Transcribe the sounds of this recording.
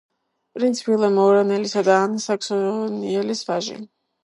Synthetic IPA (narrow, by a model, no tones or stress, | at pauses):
pʼɾint̪sʰi̥pʰilˠamɔɾanɛlisad̪aːnsakʰsɔniɛlisvaʒḭ